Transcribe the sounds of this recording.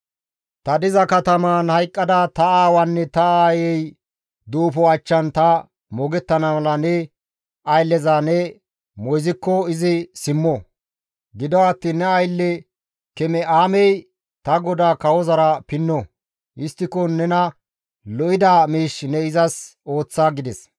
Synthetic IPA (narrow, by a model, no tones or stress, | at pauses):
t̪ɐd̪ɪzɐkɐt̪ɐmanhɐjkʼːɐd̪ɐt̪ɐaːwɐnːɛt̪ɐaːjɛj | d̪uːfɔɐt͡ʃːɐnt̪ɐ | mɔɡɛt̪ːɐnɐmɐlɐnɛ | ʔɐjlːɛzanɛ | mɔjzɪkːɔɪzɪsɪmːɔ | ɡɪd̪ɔwat̪ːiːnːɛɐjlːɛ | kɛmɛʔaːmɛj | t̪ɐɡɔd̪aːkɐwɔzɐɾɐpɪnːɔ | ʔɪst̪ːɪkɔnɛnɐ | lɔʔɪd̪amiːʃnɛɪzɐso̞ːt͡sːaːɡɪd̪ɛs